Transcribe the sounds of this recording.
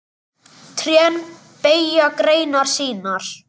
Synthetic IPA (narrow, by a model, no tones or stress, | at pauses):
t̪ʰɾjœn | peːjakɾeːjnaɾ̥siːnaɾ̥